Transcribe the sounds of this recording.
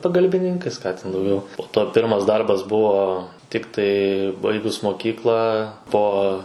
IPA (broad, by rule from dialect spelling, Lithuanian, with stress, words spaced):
pɐɡɐlʲbʲɪˈnʲɪŋkɐɪs ˈkɑː tʲɛn dɐʊˈɡʲɛʊ poː toː ˈpʲɪrmɐs ˈdɐrbɐs ˈbʊʋoː ˈtʲɪktɐɪ ˈbɐɪɡʊs moːˈkʲiːklˠɑː ˈpoː